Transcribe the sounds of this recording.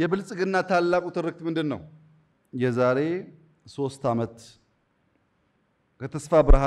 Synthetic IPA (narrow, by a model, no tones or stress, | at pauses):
jɛbɨlsʼɡɨnːat̪ʰalːakʼut̪ʰɨɾɨk̚t̪mɨnd̪ɨnːə̰w | jɛzaɾe̞ | so̞st̪amət̪ | kʰət̪ʰəsfabɨɾha